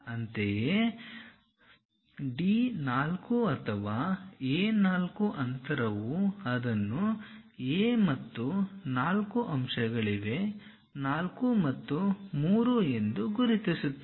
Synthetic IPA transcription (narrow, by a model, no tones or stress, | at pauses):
ɐnt̪eje | ɖiːnaːlkuɐt̪ʰɐʋaːeːnaːlkuʔɐnt̪ʰɐɾɐʋuɐd̪ɐnːueːmɐt̪ːunaːlkuʔɐmʂɐɡɐɭiʋe̞ | naːlkumɐt̪ːumuːɾue̞nd̪uɡuɾit̪isut̪ːe